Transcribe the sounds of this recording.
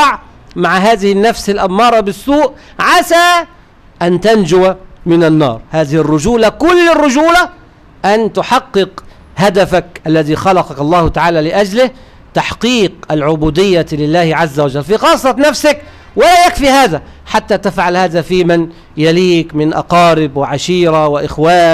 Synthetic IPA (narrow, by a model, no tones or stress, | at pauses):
ɑʕ | maʕɦaːðɪhɪnːafsɪlʔamːɑːɾˤɑbɪsːuːʔ | ʕaʃaː | ʔant̪and͡ʒʊwamɪnanːɑ̰ːɾˤhaːðɪhɪrːʊd͡ʒuːlakʊlːɪrːʊd͡ʒuːla | ʔant̪ʊħɑqːɨq | had̪afakʔalːaðiːxɑlɑqɑkɑlˤːɑːhʊt̪aʕaːlaːlɪʔad͡ʒlɪh | t̪aħqiːqʔalʕʊbuːd̪ɪjːalɪlːaːhɪʕazːawad͡ʒalːfixɑːsˤːɑt̪nafsɪk | wɪlaːjakfiːhaːðaħat̪ːaːt̪afʕalhaːðaːfiːmɪn | jaliːkmɪnʔɑ̰qɑːɾɪbwɪʕaʃiːɾawɪʔɪxwaː